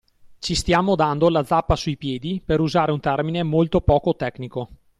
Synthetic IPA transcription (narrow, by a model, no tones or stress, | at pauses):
t͡ʃist̪jaːmod̪and̪olad̪zapːasuipjɛːd̪ipeɾuzaːɾeunt̪ɛrminemolt̪opɔːkot̪ɛkniko